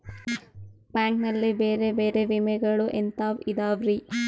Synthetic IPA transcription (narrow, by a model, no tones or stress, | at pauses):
baːŋknɐlːibeːɾe̞beːɾeʋimɛɡɐɭuʔent̪aːʋid̪aːʋɾi